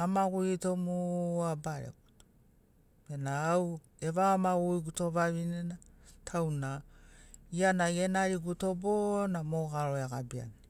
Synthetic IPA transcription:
amaɡuitomuabaɾḛɡuto̥ | enaaw | e̞βaːmaɡuiɡuto̞βaβinenatʰawna | ianajenaɾiɡuto̞bonamoɡaɾo̞eaɡabia̰ni

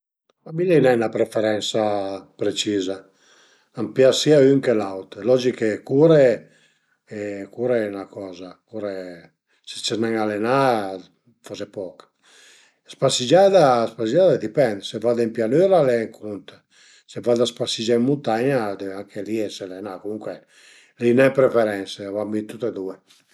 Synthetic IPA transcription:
mamilɛnɛnapɾefɛɾɛnsapɾet͡ʃiza | ampjasiayŋkelawt̪lɔd͡ʒikekuɾe | ɛkuɾeɛnakɔːzakuɾe | se̥t͡ʃɛnaŋalena | fɔzepɔk | spasid͡ʒad̪aspasid͡ʒad̪aɛd̪ipɛnd̪sevad̪impjanøɾalɛŋkʰunt̪ | sevad̪aspasid͡ʒaimːunt̪aɲad̪ɛvaŋkʰeliɛselenakomuŋkwe | linɛpɾefeɾɛnsevambint̪ut̪ed̪ue

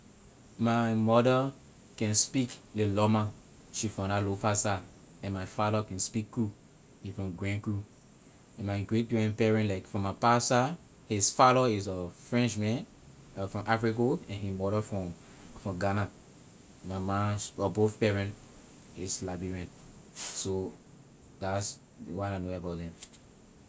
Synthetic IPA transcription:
mamɔdə | kɛ̃nspiklelɔmã | ʃifɔ̃alopasa | ɛ̃nmaɪfadəkɛ̃nspikːu | ʃifɹɔ̃mɡɹɛ̃nku | ɛ̃nmaɪɡɹet̚buɛ̃npɛɹɛ̃ntlaɪkfɹɔ̃mapasa | hisfaɾɔisɔfɹɛ̃nt͡ʃmɛ̃n | fɹɔ̃mʔafɹikoɛ̃nhimɔɾəfɹɔ̃ | fɔ̃ɡana | mamãsɔboθpɛɹɛ̃nt | islabiɹɛ̃ntso | das | wananoabaʊtðɛ̃m

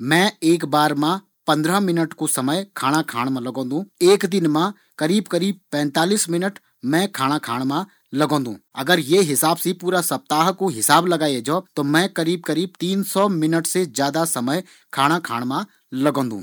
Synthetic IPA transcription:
mɛ̃eːkbaːɾmã | pɐ̃nd̪ɾəmɪnəʈkosɐməjkʰaːɽ̃akʰaːɽ̃mãlɐɡõːnd̪ũːeːkd̪ɪnmã | kɐɾiːbkɐɾiːb̚pɛ̃ːnt̪aːliːsmɪnəʈ | mɛ̃kʰaːɽ̃akʰa̰ːɽ̃mã | lɐɡõːnd̪ũːɐɡəɾjeɦɪsaːbsĩpuːɾasɐp̚t̪aːɦkoɦɪsaːblɐɡaːjed͡ʒɔt̪oːmɛ̃kɐɾiːb̚kɐɾiːb̚t̪iːnsɔːmɪnəʈsezjaːd̪asɐməj | kʰaːɽ̃ãkʰa̰ːɽ̃mã | lɐɡõːnd̪ṵ̃ː

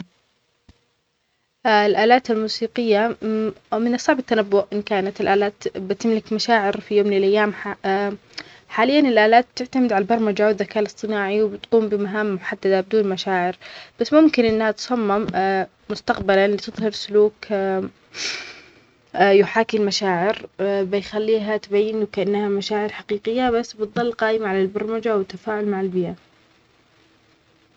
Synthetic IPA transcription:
lʔaːlaːt̪almuːsiːqɪjːa | mɪnɑsˤːɑʕbat̪ːanabːʊʔʔɪnkaːnat̪ɪlʔaːlaːt̪bɪt̪ɪmlɪkmaʃaːʕɪɾfijoːmlɪlʔajːaːm | ħaːlɪjːanɪlʔaːlaːt̪̚t̪ːɪʕt̪amɪd̪ʕalabɑɾˤmad͡ʒaːwɪd̪ðːakaːlɨsˤt̪ˤɨnaːʕiwbɪt̪quːmbɪmaɦaːmːʊħad̪ːad̪abɪd̪uːnmaʃaːʕɪɾb̥asːmʊmkɪnʔɪnːhat̪sˤɑmːɪm | mʊst̪aqbalalit̪ɨðˤhɑɾsʊluːk | jʊħaːkɪlmaʃaːʕɪɾbɪjxalːiːɦat̪bajːɪnwkaʔanːhamaʃaːʕɪɾħaqiːqɪjːabasːbɨt̪ðˤɑlːqaːʔɪmaʕalalbɑɾˤmad͡ʒawɪt̪ːafaːʕʊlmaʕɪlbɪja

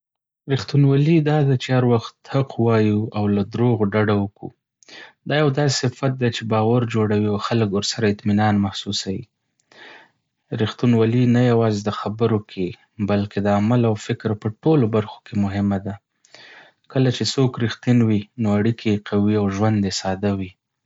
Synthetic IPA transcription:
ɾixt̪unwalid̪ɑd̪at͡ʃehaɾwaxt̪haqwɑjuawlad̪ɾoɣɖaɖawəkṵ | d̪ɑjawd̪ɑsɪfat̪̚d̪et͡ʃebɑwaɾd͡ʒoɽawiawxaləkwəɾsaɾaɪt̪minɑnmahsusawḭ | ɾixt̪unwalinajawɑzed̪əxabəɾokʰe | balked̪əamalawfɪkɾpəʈolobaɾxo̥kʰemʊɦɪmad̪a | kəlat͡ʃesokɾixt̪inwinoaɽikʰeqʰawiawʒwand̪esɑd̪awi

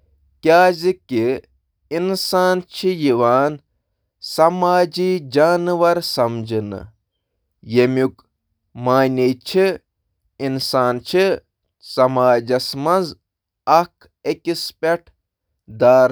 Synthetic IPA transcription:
kʲaːziki | insaːnt͡ʃʰijiʋaːn | sɐmaːd͡ʒiːd͡ʒaːnʋɐɾsɐmd͡ʒɨnɨ̰ | jemʲuk | maːnʲet͡ʃʰi | insaːnt͡ʃʰi | sɐmaːd͡ʒɐsmɐnz | ɐkʰ | ekʲispʲeʈʰ | d̪aːɾ

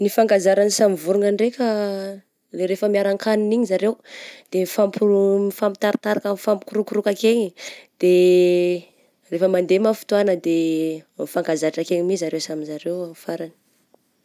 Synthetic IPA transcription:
nifaŋɡazaɾanisamivuɾuŋaɳɖ͡ʐekʲə | leɾefəmiaɾaŋkʰaniniɲizaɾewd̪̥emifampumifamit̪aɾat̪aɾakamfamkuɾukuɾukakeɲid̪̥e | refəmand̪emafu̥t̪uanəd̪emifaŋɡazaɾaʈ͡ʂakeɲimizaɾewsamizaɾewamifaɾani̥

